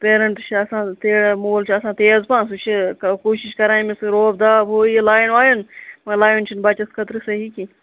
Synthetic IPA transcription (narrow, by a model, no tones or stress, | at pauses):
peːɾɐɳʈt͡ʃʰiɐsãːt̪eːɽmoːlt͡ʃʰiɐsãːt̪eːzpãːs̬ut͡ʃʰikoːʃiʃkɐɾaːĩmisɨɾoːbd̪aːbɦoːilaːjinʋaːjunmɐ̃laːjunt͡ʃʰinbɐt͡ʃɐskʰɐt̪ɾɨsɐɦiːki